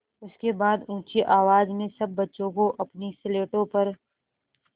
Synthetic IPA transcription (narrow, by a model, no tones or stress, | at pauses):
ʊskebaːd̪ũːt͡ʃeʔaːʋaːd͡ʒmẽsɐb̚ːɐtːʃõkoʔɐpnisɪleːʈõpɐɾ